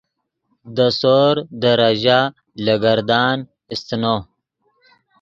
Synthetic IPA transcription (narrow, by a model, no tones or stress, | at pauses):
d̪əsoɾd̪əɾaʒa | laɡaɾd̪ɑːn | ɪst̪no